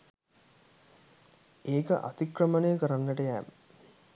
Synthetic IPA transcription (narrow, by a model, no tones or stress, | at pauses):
eːkɐ̰ʔa̰t̪ikrɐmɐnejəkəɾɐnːəʈɐjæːmə